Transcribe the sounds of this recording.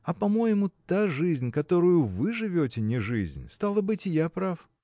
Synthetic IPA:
ɐpɐmo̞jɪmʊt̪aʐɨzʲnʲkɐt̪o̞ɾʊjʊvɨʐɨvʲotʲɪnʲɪʐɨ̰zʲnʲst̪alˠəbɨtʲɪjapɾaf

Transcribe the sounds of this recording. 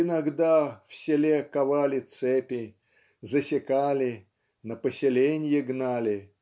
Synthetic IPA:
ɪnaɡd̪afsʲɪlʲekavalʲɪt̪sɛpʲɪ | zəsʲɪkalʲɪ | nəpəsʲɪlʲenʲjɪɡnalʲɪ

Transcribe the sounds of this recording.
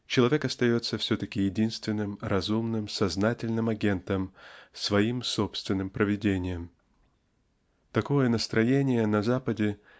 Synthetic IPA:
t͡ɕɪlˠɐvʲe̞kɐst̪ɐjo̞t̪sːəfsʲɵt̪əkʲɪjɪdʲinst̪vʲɪnːɨmɾɐzumnɨmsɐznatʲɪlʲnɨmɐɡʲe̞nt̪əmsvɐimsopst̪vʲɪnːɨmpɾəvʲɪdʲenʲɪjəm | t̪ɐko̞jənəst̪ɾɐjenʲɪjənɐzapədʲɪ

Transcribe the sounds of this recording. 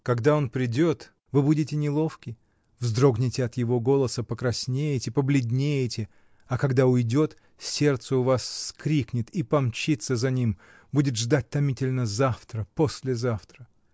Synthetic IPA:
kɐɡd̪ao̞npɾʲɪdʲo̞t̪ | vɨbudʲɪtʲɪnʲɪlˠo̞fkʲɪ | vzd̪ɾo̞ɡnʲɪtʲɪɐt̪jɪvo̞ɡo̞lˠəsəpəkɾɐsʲnʲejɪtʲɪpəblʲɪd̪ʲnʲejɪtʲɪ | ɐkɐɡd̪aʊjdʲo̞t̪ | sʲe̞rt̪səʊvasskɾʲiknʲɪt̪ipɐmt͡ɕit̪səzɐnʲim | budʲɪt̪ʐd̪at̚ʲt̪ɐmʲitʲɪlʲnəzaft̪ɾəposʲlʲɪzaft̪ɾə

